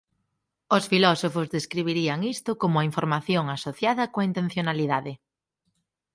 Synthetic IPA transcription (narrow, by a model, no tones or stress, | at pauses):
osfilɔsofʊzðeskɾiβ̞iɾiɐŋist̪ʊkomʊaiɱfoɾmaθjoŋasoθjaðɐkoaint̪ẽn̟θjonaliðaðɪ